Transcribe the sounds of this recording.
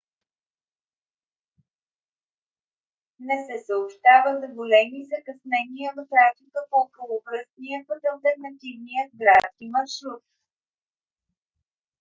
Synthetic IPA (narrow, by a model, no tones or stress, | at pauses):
nɛsɛsəopʃt̪avəzɐvolɛnizɐkɐsnɛniəvɐt̪ɾafikəpoːkolˠobɾəst̪nijəpət̪ɐlˠt̪ɛɾnɐt̪ivnijəd̪̚ɡɾat̪skimɐɾʃɾut̪̚